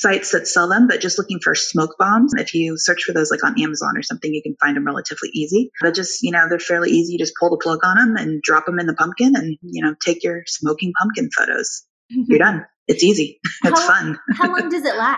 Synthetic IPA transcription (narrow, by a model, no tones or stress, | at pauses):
saɪtsðɨtsɛlˠðə̃mbʌt̚ʒ̥ʌstˡlʊkɪ̃ŋfə̰˞smoʊk̚b̥ɑ̃mz̥ɨɪ̰fjɨsɜ˞t͡ʃfə˞ðoʊzlaɪkn̩æməzɑ̰̃nə̰˞sʌ̃mθɪ̃ŋjɨkɨ̃n̩fãɪ̃ndɨ̃mɹɛlˠə̰ɾɨvlḭʔizib̥ʌt̚d̥ʒ̥ʌstjɨñoʊðə˞fɛɹlḭʔizijɨd͡ʒʌspʰʊlˠðəpʰl̥ʌɡn̩ə̃mɨ̰̃ndɹɑpə̃mɨ̃nðəpʰʌ̃mp̚kɨ̃nɨ̃njɨñoʊtʰeɪkjə˞smoʊkɪ̃ŋpʰʌ̃mpkɨ̃nfo̰ʊɾo̰ʊz̥ | jə˞ɾʌ̃n | ɨtsiziɨsfʌ̃nhalʌ̃ŋdʌzɨtˡlæ